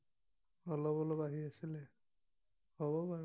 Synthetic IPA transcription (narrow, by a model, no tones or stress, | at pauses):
ɔlɔbɔlɔbaɦiasilɛ | hɔbɔba